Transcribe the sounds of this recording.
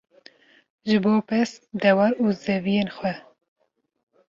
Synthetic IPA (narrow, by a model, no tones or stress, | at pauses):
ʒɨboːpɛsd̪ɛwɑɾuːzɛvijeːnxʷwɛ